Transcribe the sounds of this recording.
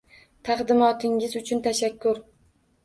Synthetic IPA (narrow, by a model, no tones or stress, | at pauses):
t̪ʰaqd̪ɪmɒt̪ʰɪŋʲɪzʊt͡ʃʰʊnt̪ʰaʃakʰːʊɾ